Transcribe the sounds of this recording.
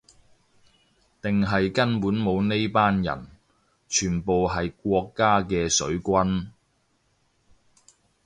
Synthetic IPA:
t̪ɪ˨ŋɦɐ˨jkɐ˥npuː˨˥nmo˨˧wne˥jpaː˥njɐ̰˨˩n | t͡ʃʰyː˨˩npo˨wɦɐ˨jk̚ʷɔː˧kːaː˥kɛː˧sɵ˨˥ɥkʷɐ˥n

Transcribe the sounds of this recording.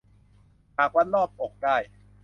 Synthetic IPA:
pʰaː˨˩k̚wa˦˥nlɔː˥˩p̚ʔo˨˩k̚daː˥˩j

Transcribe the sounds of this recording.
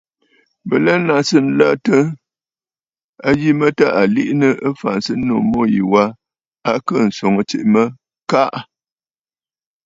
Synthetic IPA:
bə˨lɛ˦na˨sə˦n̩˦la̰˦tə˦ | a˦ji˦mə˦ta˦˨ʔa˨li˦ʔnə˦ʔə˦fa˨nsə˦no˨mo˦˨ji˨wa˦ | a˦kə˦˨n̩˨so˨ŋə˦˨t͡ʃe˨ʔmə˦ | ka˦ʔ

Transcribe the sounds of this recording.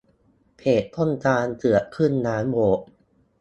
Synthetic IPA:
pʰeː˨˩t̪ʰːo˥˩nt̪aː˧ntɯ˨˩əkʰɯ˥˩nːaː˦˥mwoː˨˩˦ʔ

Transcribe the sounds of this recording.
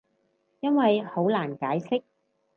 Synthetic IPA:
jɐ˥nwɐ˨jho˨˥wlaː˨˩nkaː˨˥jsɪ˥k̚

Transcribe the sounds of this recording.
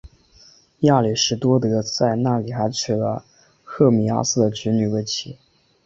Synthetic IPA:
ja˥˩li˨˩ʂɻ̩˧˥t̪wɔ˥t̪ɤ˧˥t͡sa˥˧ɪna˥˩li˨˩xa˧˥ɪt͡ɕʰy˨˩lə̰˦ | xɤ˥˩mi˧˥a̰˥sɹ̩˥˩d̪ə˩t͡ɕy˧˥ny˨˩we˥˩ɪt͡ɕʰi˧˥

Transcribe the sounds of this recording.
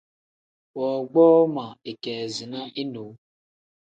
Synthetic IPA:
wɔ˨ɡ͡bɔː˦ma˨e˨kɛː˨zi˨na˦ʔi˦no˨˦

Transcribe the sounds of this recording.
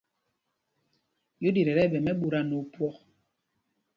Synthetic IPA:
jo˦di˨ɾɛ˨ɾɛ˦˨bɛ˨mɛ˦ɓu˨ɾa˨no˨pwɔ˨k

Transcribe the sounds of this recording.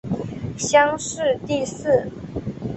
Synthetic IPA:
ɕjɑ˥ŋʂɻ̩˥˧t̪i˥˧sɹ̩˥˩

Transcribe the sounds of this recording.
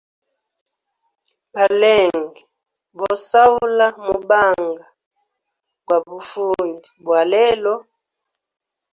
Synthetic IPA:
ba˨lɛ˦˨ŋɡɛ˨ | bɔ˨sa˦u˦la˦mu˨ba˦ŋɡa˨ | kwa˨bu˨fu˦ndi˨bwa˨lɛ˦lɔ˦

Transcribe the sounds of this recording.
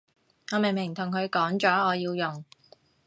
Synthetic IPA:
ɔː˨˧me˨˩jmɪ˨˩ŋt̪ʰʊ˨˩ŋkʰɵ˨˧ɥkɔː˨˥ŋt͡ʃɔː˨˥ɔː˨˧jiː˧wjʊ˨˩ŋ

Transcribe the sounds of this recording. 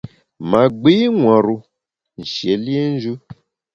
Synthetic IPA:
mã˨ɡ͡bi˦ŋʷã˨ɾu˧ | n̩˨ʃe˨˦li˦e˦n̩˦d͡ʒu˦

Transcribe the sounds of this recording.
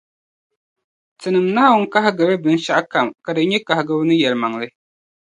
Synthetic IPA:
tɨ˨nɨ˨mna˦hwʊ˦ŋ̩˦ka˦ɦɪ˦ɡɨ˨bɛ˦bɨ˨n˦ʃa˦ʔka˨mka˨dɨ˨˦ɲɛ˦ka˨hɪ˨ɡɨ˦bnɨ˦jɛ˨lɨ˨ma˨ŋ˨lɨ˦

